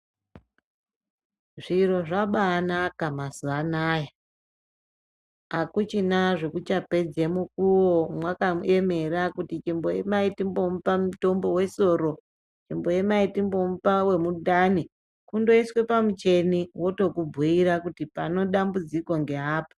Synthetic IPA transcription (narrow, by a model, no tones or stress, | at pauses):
ʐiɾo̞ʐaɓanakamasuanaːja | akut͡ʃinaʐekut͡ʃape̞d͡zemukuwomwakae̞me̞ɾakutit͡ʃimbojemaitimbomupamuto̞mbo̞we̞so̞ːɾo̞ | t͡ʃimbo̞jemaitimbo̞mupawe̞mudani | kundo̞iswe̞pamut͡ʃe̞niwo̞to̞kubʱuiɾakutipano̞ɗambud͡zikwoŋɡe̞ɦaːpo̥